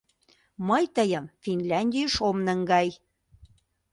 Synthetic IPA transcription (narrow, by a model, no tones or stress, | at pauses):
məjt̪əjə̆mfinlʲɑnʲd̪ʲijəʃomnəŋɡɑj